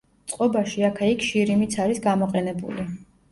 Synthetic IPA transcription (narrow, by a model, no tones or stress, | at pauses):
t̪sʼqʼɔbaʃiakʰɛikʰʃiɾimit̪sʰaɾisɡamɔqʼɛnɛbṵli